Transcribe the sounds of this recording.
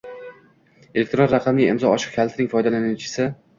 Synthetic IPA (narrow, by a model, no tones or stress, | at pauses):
elʲekt̪ɾonɾɑqʰɑmliɪmzɒɒʃɪ̥q̚kʲʰalt̪ʰɪnɪŋfɒjd̪alanɪt͡ʃʰɪ̥sɪ